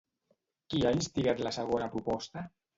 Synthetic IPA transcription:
kiainst̪iɣat̪lasəɣonapɾupɔst̪a

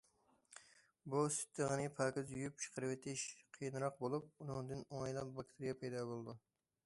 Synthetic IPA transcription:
busy̥t̪ʰːɨʁənɪpʰɑːkʲɪzyjyp̚t͡ʃʰə̥qəɾwɪt̪ʰɪʃqʰijnɾɑq̚bolˠup̚unɨŋd̪ɨnoŋɑjlˠɑp̚bɑkt̪ʰɪɾijɑpʰɛjd̪ɑbolˠɨd̪u

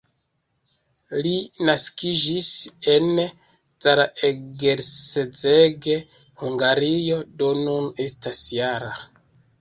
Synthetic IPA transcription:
linaskid͡ʒise̞n | t͡saɾaeɡeɾsed͡zeɡe | huŋɡaɾijo̞do̞nune̞stasjaɾa

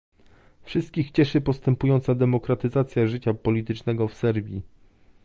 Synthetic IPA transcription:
fʂɘst̪̚kʲixt͡ɕɛʂɘpɔst̪ɛmpujɔnt̪sad̪ɛmɔkɾat̪ɘzat̪sʲjaʐɘt͡ɕapɔlʲit̪ɘt͡ʂnɛɡɔfsɛɾbʲji

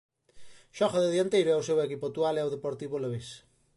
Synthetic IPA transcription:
ʃɔχaðeðjant̪ejɾoɛosewekipot̪ualɛaowðepoɾt̪iβoleβes

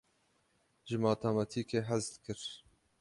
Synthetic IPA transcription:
ʒɨmɑːt̪ʰamɑt̪ʰiːkeːɦæzd̪kɨɾ

